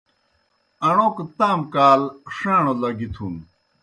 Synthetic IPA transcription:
ɐɳoːket̪aːmkaːlʂaːɳolɐɡit̪ʰun

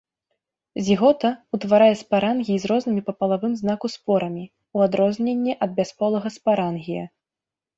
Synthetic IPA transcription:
zʲiɣɔt̪ɐut̪vaɾajɛspaɾanɣʲizɾɔznɨmʲipɐpɐlˠavɨmznakuspɔɾɐmʲi | uad̪ɾɔzʲnʲenʲːɛʔɐd̪̚bʲaspɔlˠɐɣɐspaɾanɣʲijɐ̰

